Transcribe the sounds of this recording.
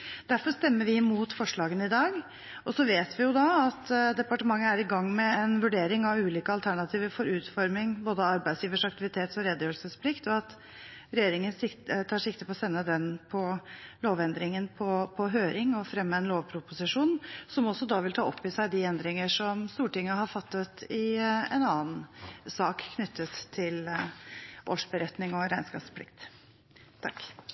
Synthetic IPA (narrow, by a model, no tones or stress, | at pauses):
d̪̥æɾfɔɾst̪ɛmːəɾʋɪmuːt̪fɔʂɭɑːɡənəɪd̪ɑːɡ | ʔɔsɔʋeːt̪ʋɪjʊd̪ɑɑt̪d̪ɛpɑʈəmɑŋːəæɾɪɡɑŋːmɛɛnʋʉɖeːɾɪŋɑʋʉːliːkəɑlt̪ʰæɳɑt̪ʰiːʋəɾfɔɾʉːt̪fɔɾmɪŋboːd̪əɑɾbæɪsjiːʋəʂɑk̚t̪ɪʋɪt̪ʰeːt̪sɔɾɛd̪jøːlsəspʰlɪkt̪ɔɑt̪ | ɾɛjeːɾɪŋənsɪt̪ət̪ʰɑːʂɪkt̪əpʰɔːsɛnːəd̪ɛnpʰɔloːʋɛnd̪ɾɪŋənpʰɔpʰɔɦøːɾɪŋɔfɾɛmːəɛnloːʋpʰɾʊpʊsɪʂuːnsɔmɔsːɔd̪ɑʋɪlt̪ʰɑːɔpːɪsæɪd̪ɪɛnd̪ɾɪŋəʂɔmst̪uːʈɪŋːəɦɑɾfɑt̪ːət̪ɪɛ̰nɑːənsɑːkkʰːnʏt̪ʰːət̪ʰːɪl | ʔoːʂbəɾɛt̪nɪŋɔɾæɪnskɑːpspʰlɪ̰kt̪ | t̪ʰːɑ̰kː